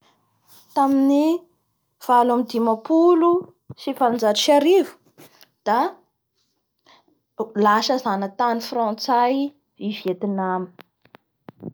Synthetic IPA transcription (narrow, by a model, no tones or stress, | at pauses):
t̪amini | v̥alamid̪imapulu | sifaland͡zaɾuʃaɾivu̥ | d̪̥a | laʃəzanət̪anifrɔ̃t͡saj | izet̪inami̥